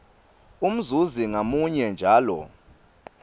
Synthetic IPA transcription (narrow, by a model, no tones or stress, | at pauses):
um̩zuziŋamuɲɛnd͡ʒʱaːlɔ̰